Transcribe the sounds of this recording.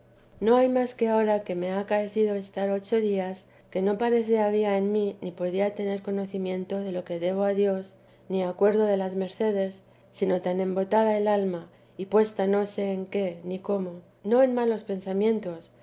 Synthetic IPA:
no̞ajmaske̞ao̞ɾake̞me̞aːkae̞θið̞o̞e̞st̪aɾo̞t͡ʃo̞ðias | ke̞no̞paɾe̞θeaβ̞iae̞nminipo̞ðiat̪e̞ne̞ɾko̞no̞θimjẽ̞nt̪o̞ðe̞lo̞ke̞ðe̞β̞o̞aðjo̞s | niakwe̞ɾð̞o̞ð̞e̞lazme̞ɾθe̞ð̞e̞sː | ino̞t̪anẽ̞mbo̞t̪að̞ae̞lalma | ipwe̞st̪ano̞se̞ːŋke̞niko̞mo | no̞enmalo̞spe̞nsamjẽ̞nt̪o̞s

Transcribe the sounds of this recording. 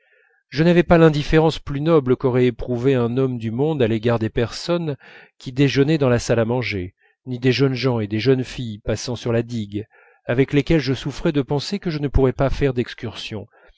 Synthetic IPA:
ʒənavɛpalɛ̃d̪ifeʁɑ̃splynɔbləkɔʁɛepχuveɛ̃nɔmd̪ymɔ̃d̪aleɡaʁd̪epɛʁsɔnkʲid̪eʒənɛd̪ɑ̃lasalamɑ̃ʒe | nid̪eʒənʒɑ̃ed̪eʒənfijpasɑ̃syʁlad̪iɡ | avɛklekʲɛlʒəsufχɛd̪əpɑ̃sekəʒənəpuʁɛpafɛʁd̪ɛkskʲyʁsjɔ̃

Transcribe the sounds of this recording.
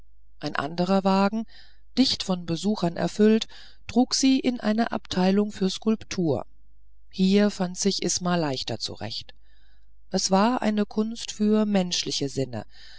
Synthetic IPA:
ʔaɪnʔa̰ndəʁ̞ɐvaːɡŋ̩ | d̥ɪçtfɔnbəzuːxɐnʔɛ̰ɐfʏlt | tʁ̥uːkz̥iːʔɪnʔa̰ɪnɐʔa̰ptʰaɪlʊŋfyːɐskʊlptʰuːɐ | hiːɐfantz̥ɪçʔɪsmaːlaɪçtɐ̰t͡sṵʁɛ̰çt | ʔɛsv̥aːɐʔa̰ɪnəkʰʊnstfyːɐmɛnʃlɪçəzɪnə̰

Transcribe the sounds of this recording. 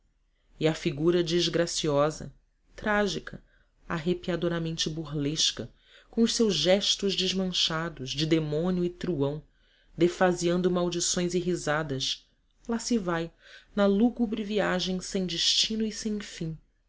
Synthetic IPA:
ɪɐfiɡuɾɐd͡ʒiʒɡɾasiɔzɐ̰ | t̪ɾaʒikʰɐ | aɦepiad̪oɾamẽnt͡ʃɪbuɾleʃkɐ | kõʊʃsewzʒɛʃt̪ʊʒd͡ʒɪʒmɐ̃ʃad̪ʊʒd͡ʒɪd̪emõniuit̪ɾuɐ̃w̃ | d̪efaziɐ̃nd̪ʊmawd͡ʒisõj̃ziɦizad̪ɐʃ | lasɪvajnɐluɡubɾɪviaʒẽj̃sẽj̃d͡ʒɪʃt͡ʃĩnʊisẽj̃fĩ

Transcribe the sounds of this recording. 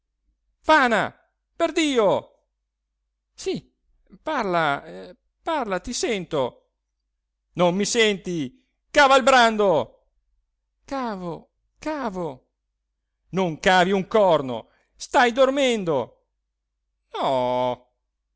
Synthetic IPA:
faːna̰ | perd̪iːo | si | parla | parlat̪isɛnt̪o | nomːisɛnt̪i | kaːvailbɾand̪o | kaːvo | kaːvo | noŋkaːviuŋkɔrno̰ | st̪ajd̪ormend̪o | nɔ

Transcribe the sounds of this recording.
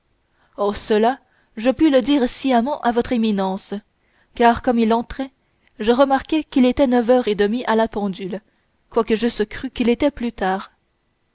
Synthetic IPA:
ɔsəla | ʒəpyləd̪iːʁsiamɑ̃ʔavɔt̪χeminɑ̃s | kaːʁkɔmilɑ̃t̪χɛ | ʒəʁəmaʁkɛkilet̪ɛnəvœʁed̪əmiʔalapɑ̃d̪yl | kwakəʒəsəkχykilet̪ɛplyt̪aːʁ

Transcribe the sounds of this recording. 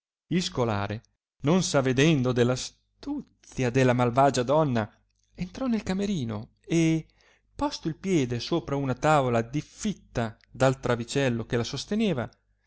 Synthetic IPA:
ilskola̰ːɾe | nonsaved̪ɛnd̪od̪elːas | t̪ut̪sjad̪elːamalvaːd͡ʒad̪ɔnːa | ent̪ɾɔnelkameɾiːno̰ | e | pɔst̪oilpjɛːd̪esoːpɾaunat̪aːvolad̪ifːit̪ːa | d̪alt̪ɾavit͡ʃɛlːokelasost̪eneːva

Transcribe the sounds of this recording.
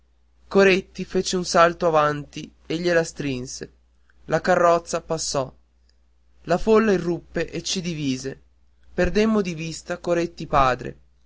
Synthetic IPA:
koɾet̪ːifet͡ʃeunsalt̪oavant̪i | eʎːelast̪ɾinse | lakarːɔt̪sːapasːɔ | lafolːairːupːeʔet͡ʃːid̪iviːze | perd̪emːod̪ivist̪akoɾet̪ːipaːd̪ɾḛ

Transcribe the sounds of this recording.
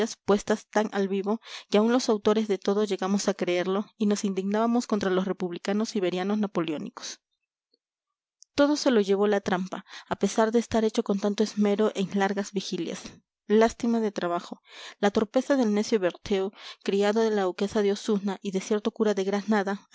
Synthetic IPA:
aspwe̞st̪ast̪aŋʔalβiβo̞keaunlo̞sawt̪o̞ɾezðe̞t̪o̞ðoʝe̞ɣamo̞sakɾeeɾlo̞ino̞sind̪iɡnaβamo̞sko̞nt̪ɾalosre̞puβlikano̞siβe̞ɾjano̞snapo̞leo̞nḭko̥s | t̪o̞ðo̞se̞lo̞ʝe̞β̞o̞lat̪ɾampaːpe̞saɾðe̞ːst̪aɾe̞t͡ʃo̞ko̞nt̪ant̪oezme̞ɾo̞ʔeŋlaɾɣazβixilja̰s | last̪imaðe̞t̪ɾaβaxo̞lat̪o̞ɾpe̞saðe̞lnesjo̞βeɾt̪ʰe̞okɾiaðoðe̞lawke̞saðeosunaʔiðe̞sje̞ɾt̪o̞kuɾaðe̞ɣɾanaða

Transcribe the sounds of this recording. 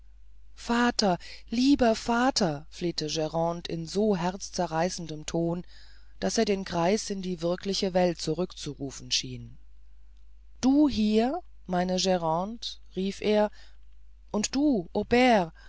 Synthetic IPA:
faːtɐliːbɐfaːtʰɐfleːtəʒɛʁɑ̃ːntɪ̰nzoːɦɛɐt͡st͡sɛɐʁaɪsn̩dəmtʰoːn | d̥aseːɐɾdeːnkʁ̥aɪsɪndiːvɪɐkʰlɪçəvɛlt̚t͡suʁʏkt͡suʁuːfn̩ʃiːn | d̥uːɦiːɐ | maɪnəʒɛʁɑ̃ntʁiːfʔeːɐ | ʔʊntd̥uːʔobɛːʁ

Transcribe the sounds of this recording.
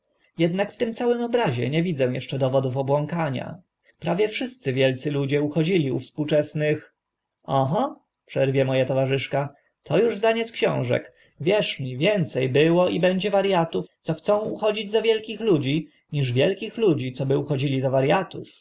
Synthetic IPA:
jɛd̪nakft̪ɘmt̪sawɘmɔbɾaʑɛ̰ɲɛvʲid̪zɛw̃jɛʂt͡ʂɛd̪ɔvɔd̪ufɔbwɔŋkaɲa̰ | pɾavʲjɛfʂɘst̪sɘvʲjɛlt̪sɘlud͡ʑɛuxɔd͡ʑilʲiṵfspuwt͡ʂɛsnɘx | ɔɦɔ | pʂɛɾvʲjɛmɔjat̪ɔvaʐɘʂka | t̪ʰɔjuʐzd̪aɲɛt̪skɕɔ̰̃w̃ʐɛ̰k | vʲjɛʂmʲivʲjɛnt̪sɛjbɘwɔibɛɲd͡ʑɛvaɾjat̪uft̪sɔxt̪sɔ̃w̃uxɔd͡ʑid͡ʑzavʲjɛlkʲixlud͡ʑi | ɲiʐvʲjɛlkʲixlud͡ʑit̪sɔbɘuxɔd͡ʑilʲizavaɾjat̪ṵf

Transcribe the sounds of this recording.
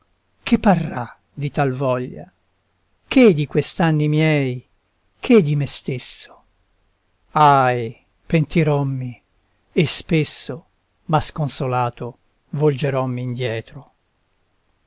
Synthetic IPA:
kʰepːarːa | d̪it̪alvɔʎːa̰ | kʰed̪ikwest̪anːimjɛj | kʰed̪ːimest̪esːo̥ | aj | pent̪iɾɔmːi | espesːo | maskonsolaːt̪o | vold͡ʒeɾɔmːiːnd̪jɛːt̪ɾo

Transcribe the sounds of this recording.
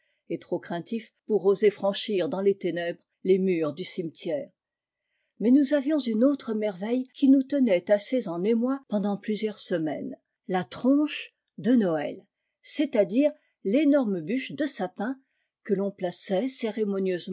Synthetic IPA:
et̪χokχɛ̃t̪ifpuʁozefχɑ̃ʃiʁd̪ɑ̃let̪enɛbʁ | lemyːʁd̪ysimt̪jɛːʁ | mɛnuzavjɔ̃zynot̪χəmɛʁvɛjkʲinut̪ənɛt̪asezɑ̃nemwapɑ̃d̪ɑ̃plyzjœʁsəmɛn | lat̪χɔ̃ʃ | d̪ənɔɛ̰l | sɛt̪ad̪iːʁ | lenɔʁməbyʃd̪əsapɛ̃ | kəlɔ̃plasɛseʁemɔnjøzm

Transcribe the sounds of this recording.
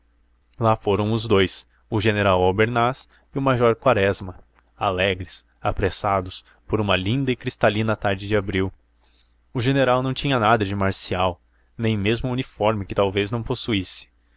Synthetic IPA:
lafoɾɐ̃w̃ʊzd̪ojs | ʊʒeneɾawawbeɾnas | ɪʊmajʒɔɾkwaɾɛzmɐ | a̰lɛɡɾɪs | apɾesad̪ʊs | poɾũmɐlĩnd̪ɐɪkɾist̪alĩnɐt̪aɾd͡ʒɪd͡ʒɪabɾiw | ʊʒeneɾawnɐ̃w̃t͡ʃĩɲɐnad̪ɐd͡ʒɪmaɾsiaw | nẽj̃mezmʊunifɔɾmɪkɪt̪awveznɐ̃w̃posuisɪ̥

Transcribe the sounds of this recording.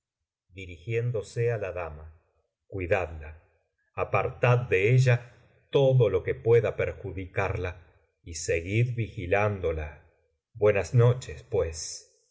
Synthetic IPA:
d̪iɾixje̞nd̪o̞sealaðama | kwiðad̪laː | paɾt̪að̚ːe̞eʒa | t̪o̞ðo̞lo̞ke̞pwe̞ðapeɾxuðikaɾla | iseɣiðβixiland̪o̞la | bwe̞nasno̞t͡ʃespwe̞s

